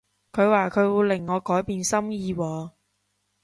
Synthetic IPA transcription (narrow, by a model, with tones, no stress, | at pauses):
kʰɵ˨˧ɥwaː˨˧kʰɵ˨˧ɥwuː˨˧lɪ˨˩ŋːɔː˨˧kɔː˨˥jpiː˨˧nsɐ˥mjiː˧wɔː˨˧